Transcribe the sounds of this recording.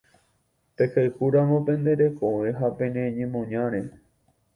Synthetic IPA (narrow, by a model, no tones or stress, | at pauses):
pekaɨhuɾaŋõpẽ̞nd̪e̞ɾe̞koʋẽɦapẽnẽɲẽmõɲãɾe